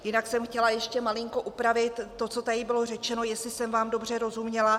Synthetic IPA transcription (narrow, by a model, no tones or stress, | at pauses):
jɪnaksɛmxcɛlajɛʃcɛmalɪŋko̞ʔupɾavɪt̪ːo̞t͡so̞t̪adɪbɪlo̞r̝ɛt͡ʃɛno̞jɛstlɪsɛmvaːmdo̞br̝ɛɾo̞zumɲɛla